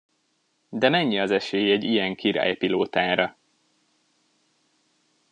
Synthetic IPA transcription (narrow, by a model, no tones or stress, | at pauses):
d̪ɛmɛɲːiɒzɛʃeːjɛɟːijɛŋkʰiɾa̰ːjpiloːt̪aːɾɒ